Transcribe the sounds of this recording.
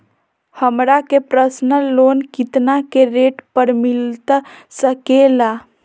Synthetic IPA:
həmɾakepɾəsnəlonkit̪nakeɾeʈpəɾmilt̪səkela

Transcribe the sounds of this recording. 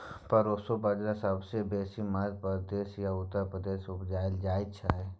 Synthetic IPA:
pɐɾosobəd͡ʒɾasəbsebeːsimad̪̚pəd̪eːʃjaʊt̪ːəɾpɾəd̪eːʃʊpd͡ʒaːɪld͡ʒaːɪt͡ʃʰaɦɛː

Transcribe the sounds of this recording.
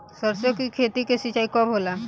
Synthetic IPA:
səɾsokikʰet̪ikesit͡ʃaikɔbɦola

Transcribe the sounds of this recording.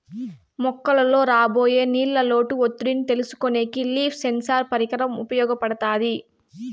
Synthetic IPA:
mɔkːɐlɐlo̞ːɾaːbo̞ːjeːniːlːɐlo̞ːʈuot̪ːuɾinit̪e̞lusu̥koneːkiliːpʰsensaːɾpɐɾikɐɾɐmupɐjɔːɡɐpɐɽɐt̪aːd̪i

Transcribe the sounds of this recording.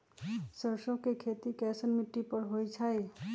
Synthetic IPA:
səɾsõkekʰet̪ikɛsənmiʈːipəɾɦojt͡ʃʰaj

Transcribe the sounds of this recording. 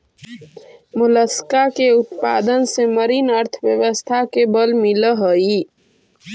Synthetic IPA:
mʊləskakeʊt̪pa̰ːd̪ənseməɾinəɾt̪ʰʋjəʋəst̪ʰakebəlmiləɦəi

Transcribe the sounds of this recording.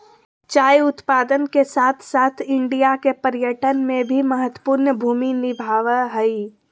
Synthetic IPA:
t͡ʃaːjʊt̪paːd̪ənkesaːt̪ʰsaːt̪ʰɪ̃ɳɖijakepəɾjəʈənmẽbʱiməɦət̪wə̥puːɾnəbʱuːminɪbʱaːʋəɦɛi

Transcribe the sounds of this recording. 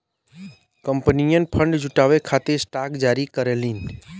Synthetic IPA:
kəmpnijənpʰəɳɖd͡ʒuʈaʋekʰat̪esʈakd͡ʒaɾikəɾelin

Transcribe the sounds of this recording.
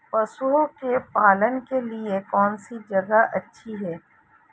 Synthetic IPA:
pɐsuokepaːlənkeliekɔːnsid͡ʒɐɡaʔɐtːʃʰiɦɛː

